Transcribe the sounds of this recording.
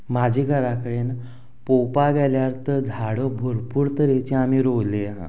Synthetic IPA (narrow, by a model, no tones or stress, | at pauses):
mad͡ʑʱiɡʱəɾakəɽeːn | popaɡɛljaɾt̪əd͡zʱaɽobʱuɾpuːɾt̪əɾet͡ɕeam̤iːɾowleɦã̰